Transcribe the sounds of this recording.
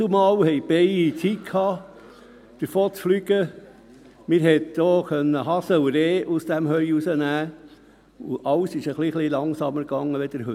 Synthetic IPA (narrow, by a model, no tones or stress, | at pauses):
umɑːwhɛjb̥ɛɪit͡sitkʰhɑː | d̥əɾfoːt͡sflyɡ̥ə | mɪːɾɦɛt̪̚d̥oːkœnːəɦɑsəuɾeːʔusd̥æmɦœʏusənæː | ʊʔɑwsɪʃəχliχlilɑŋsɑməɾɡɑŋːəʋɛd̥̪əɾhø